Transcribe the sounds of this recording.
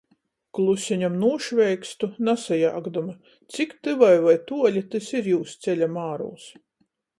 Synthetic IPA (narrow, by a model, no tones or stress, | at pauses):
klˠusʲiɲamnuɔʃvʲɛjkst̪unasajaːɡd̪uma | t̪sikt̪ɨvajvajt̪uɔlʲit̪ɨsiɾjuːst̪sɛlʲamaːɾṵːs